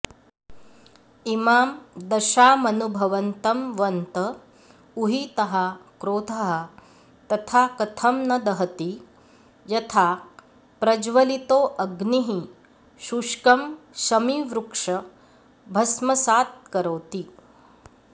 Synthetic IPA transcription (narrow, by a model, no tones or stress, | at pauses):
imaːmd̪ɐʃaːmɐnubʱɐʋɐnt̪ɐmʋɐnt̪ɐ | uɦit̪ɐɦɐkɾoːd̪ʰʱɐɦɐ̆ | t̪ɐt̪ʰaːkɐt̪ʰɐmnɐd̪ɐɦɐt̪i | jɐt̪ʰaː | pɾɐd͡ʒʋɐlit̪oːʔɐɡniɦi | ʃuʂkɐmʃɐmiʋɾukʂɐ | bʱɐsmɐsaːt̪̚kɐɾoːt̪i